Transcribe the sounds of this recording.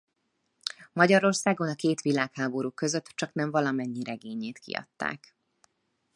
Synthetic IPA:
mɒɟɒɾo̞rsaːɡo̞nɒkeːt̪ʋilaːkhaːbo̞ɾuːkø̞zøt̪ːt͡ʃɒknɛɱvɒlɒmɛɲːiɾʔɛɡeːɲeːt̪kḭɒ̰t̪ːa̰ːk

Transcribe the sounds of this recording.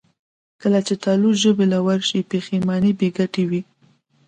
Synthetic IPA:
kəlat͡ʃet̪ɑluʒəbelawaɾʃipexemɑnibeɡaʈewi

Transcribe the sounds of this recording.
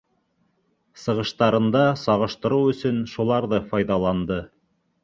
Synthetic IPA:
sɤ̆ʁɤ̆ʃt̪ɑɾɤ̆nd̪ɑsɑʁɤ̆ʃt̪ɤ̆ɾuwɵ̆sɵnʃulˠɑɾðɤfɑjðɑlˠɑnd̪ɤ

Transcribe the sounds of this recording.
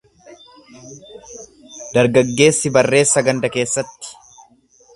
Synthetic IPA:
d̪̥ɐɾɡɐɡːe̞ːsːɪbɐrːe̞ːsːɐɡɐnd̪ɐke̞ːsːɐt̪ːɪ̥

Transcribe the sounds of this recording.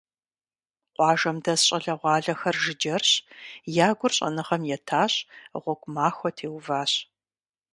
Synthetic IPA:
qʷɑːʒɐmdɐsɕʼɐɮɐʁʷɑːɮɐxɐrʒɪd͡ʒɐrɕjaːɡʷʊrɕʼɐ̰nɨʁɐmjɛtʰaːɕʁʷɔɡʷmaːxʷɔtʰeːwvaːɕ

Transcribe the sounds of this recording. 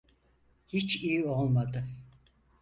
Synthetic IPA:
hit͡ʃijiolˠmad̪ɯ

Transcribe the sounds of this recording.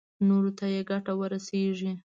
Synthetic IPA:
noɾot̪ajeɡaʈawəɾaseʒi

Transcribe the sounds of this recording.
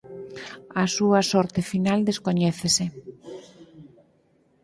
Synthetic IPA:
asuɐsɔɾt̪efinald̪eskoɲɛθesɪ

